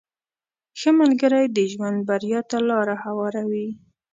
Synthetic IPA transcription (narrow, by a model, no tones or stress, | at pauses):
xəmalɡəɾajd̪əʒwand̪̚baɾjɑt̪alɑɾahawɑɾawi